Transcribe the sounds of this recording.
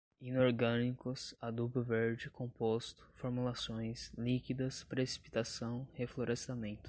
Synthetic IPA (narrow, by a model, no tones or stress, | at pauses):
ĩnoɾɡɐ̃nikʊsad̪uplɐveɾd͡ʒɪkõpost̪ʊ̥foɾmulasõj̃slikid̪ɐspɾesi̥pi̥t̪asɐ̃w̃hefloɾʔest̪amẽnt̪ʊ̥